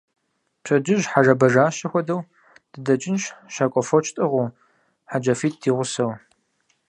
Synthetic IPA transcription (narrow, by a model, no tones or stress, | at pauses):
pɕʰɐd͡ʒɪʒħarɐbɐʒaːʃɐxʷɔdɐw | d̥ɨdɐt͡ʃʼɪnʃʃaːkʷʼɔfɔt͡ʃʰtʼɨʁʷʊ | ħad͡ʒɐfiːt̚ʰdiːʁʷʊsɐw